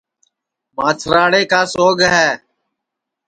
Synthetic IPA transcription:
maːt͡ʃʰɾaːɽeːkaːsoːɡɦɛː

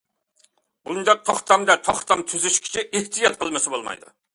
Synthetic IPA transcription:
b̥und̪ɑq̚t̪ʰɑχt̪ʰɑmd̪ɛt̪ʰɑχt̪ʰɑmt̪ʰyzyʃkʲʰi̥t͡ʃʰiɪht̪ʰijɑt̪̚qʰəlˠmɨsɪbolˠmɑ̰jd̪ɨ̰

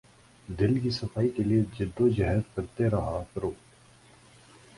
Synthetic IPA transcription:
d̪ɪlkisɐfaːikelied͡ʒɪd̪ːod͡ʒɐɦɛzkɐɾt̪eɾɐɦakɐɾoː

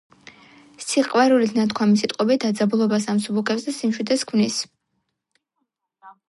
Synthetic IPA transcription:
sʰiqʼwɛɾulit̪ʰnat̪ʰkʰwamisit̪ʼqʼɔbit̪̚d̪ad̪zabulˠɔbas̬amsubukʰɛpsd̪asimʃid̪ʰɛskʰvnis

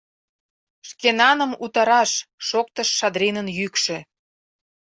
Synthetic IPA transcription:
ʃkenɑnəmut̪ɑɾɑʃːok̚t̪əʃːɑd̪ɾinənjykʃĕ

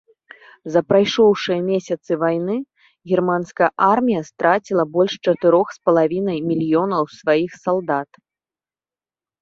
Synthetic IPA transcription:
zɐpɾajʂɔwʂɨjɐmʲesʲɐt̪sɨvajnɨ | ɣʲirmanskɐjɐʔarmʲijɐst̪ɾʔat͡sʲilˠɐbɔlʲʂt͡ʂɐt̪ɨɾɔxspɐlˠavʲinɐjmʲilʲijɔnɐwsvajixsalˠd̪at̪

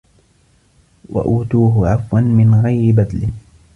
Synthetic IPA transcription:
wa̰ʔuːt̪uːɦʊʕafwanmɪnɣajɾɪbad̪lɪ

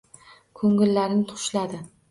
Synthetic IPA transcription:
kʰɵŋɪlːaɾɪnɪt̪ʰʊ̥ʃlad̪ɪ

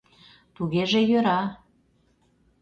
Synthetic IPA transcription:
t̪uɣeʒejøɾɑ

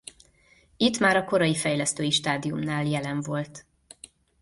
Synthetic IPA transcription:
it̪ːmaːɾɒko̞ɾɒjifɛjlɛst̪øːjiʃt̪aːd̪ijumnaːljɛlɛɱvo̞lt̪

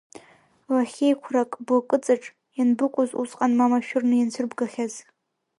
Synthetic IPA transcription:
waχʲejkʷʰrakʼbakʼɨt͡sʼaʈ͡ʂʼ | janbɨqʷʼzusʼqʼanmamaʃᶣʊrnɨjant͡sʰɨrbɡaχʲaz

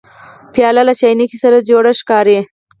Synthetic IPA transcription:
pjɑlalat͡ʃɑjnikisaɾad͡ʒoɽaʃkɑɾe

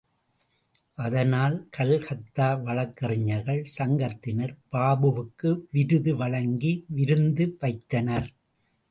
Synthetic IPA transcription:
ʔɐðɐnaːlkʰɐɭhɐt̪ːaːʋɐɭɐkːɐrɪɲːɐɾɣɐɭsɐŋɡɐt̪ːɪnɐɾpaːbɯʋɯkːɯʋɪɾɯðɯʋɐɭɐŋɡiʋɪɾɯnd̪ɯʋɐɪt̪ːɐnɐɾ

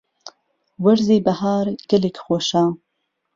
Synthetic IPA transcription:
wɐɾziːbɐhaːɾɡ̥ɐlikxoːʃɑː

